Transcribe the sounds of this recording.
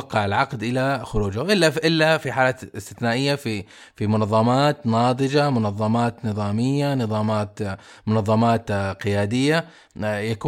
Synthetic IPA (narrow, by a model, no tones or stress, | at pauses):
ɑqːɑʕɪlʕɑqd̪ʔɪlaxʊɾuːd͡ʒaʔɪlːaʔɪlːafiħaːlaːt̪ɪst̪ɪθnaːʔɪjːafi | fimʊnɑðˤːɑmaːt̪nɑːd̪ˤɨd͡ʒamʊnɑðˤːɑmaːt̪nɨðˤɑːmɪjːanɨðˤɑːmaːt̪ | mʊnɑðˤːɑmɑːt̪qɪjaːd̪ɪjːa | jakuː